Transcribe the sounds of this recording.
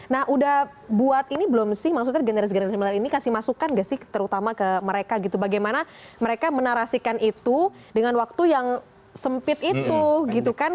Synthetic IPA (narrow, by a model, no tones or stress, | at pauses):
nahʔudah | buat̪inibəlʊmsɪhmaks̬ut̪aɡənəɾasɡənɾasiməlaɾinikasɪhmasukanɡasɪht̪əɾut̪amakəməɾekaɡit̪ubaɡajmana | məɾekamənaɾasikanit̪u | dəŋanwak̚t̪ujaŋ | səmpɪt̪it̪uɡit̪ukan